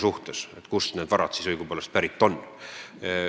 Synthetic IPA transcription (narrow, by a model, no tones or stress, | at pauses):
suht̪eset̪kusned̥̪vɑɾɑt̪sisɯjɡ̥upeːlːest̪̚pæɾit̪ːˑo̞nː